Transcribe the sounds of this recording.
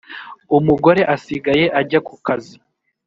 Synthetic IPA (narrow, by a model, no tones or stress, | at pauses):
umuɡo̞ɾe̞ʔasiɡaje̞ʔaɟakukazi